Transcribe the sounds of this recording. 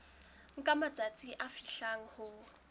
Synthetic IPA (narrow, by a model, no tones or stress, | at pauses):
ŋ̩kʼamat͡sʼat͡sʼiʔafiɬaŋ̩hʊ